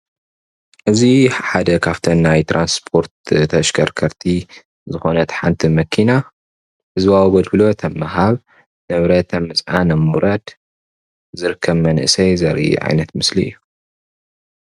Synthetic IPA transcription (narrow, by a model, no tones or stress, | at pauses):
ʔɨziħad̪ɐkʰaβt̪ʰɐnːajt̪ʰɾʔanspʰo̞ɾt̪t̪ʰɐʃkʰɐɾkʰɐɾt̪ʰi | zɨxonɐt̪ħant̪ʰimɐkʰina | hɨzbawɡod̪bɨlo̞t̪ʰɐmːaɦaβ | nɨβɾɐt̪ʰɐmɨsʼʕanɐmuɾɐd̪ | zɨɾɨkʰːɐβmɐnʔɨsɐjzɐɾḭʕa̰jnɐt̪mɨsliɨ̰jːu